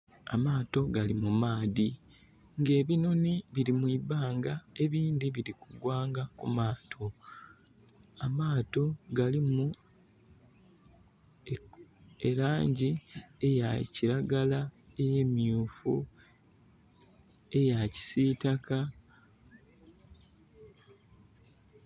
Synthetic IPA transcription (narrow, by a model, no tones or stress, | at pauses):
a̰maːto̞ɡalimumaːði | ŋɡe̞ːβino̞niβiɾimwibaːŋɡae̞βiːndiβiɾikuɡwaːŋɡakṵmaːtʰo̞ | amaːto̞ɡalimu | e̞ɾaːɲɟie̞jaciɾaɡalae̞je̞ːmiuːfṵ | e̞jaci̥sitaka